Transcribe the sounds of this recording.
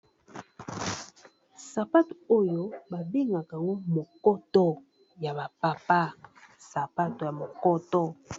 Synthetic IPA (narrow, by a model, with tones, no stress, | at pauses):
sa˨pa˦to˨o˦jo˦ba˨be˦ŋɡa˨ka˨a˨ŋɡo˦mo˨kɔ˦tɔ˦ | ja˨ba˨pa˨pa˦sa˨pa˦to˨ja˨mo˨kɔ˦tɔ˦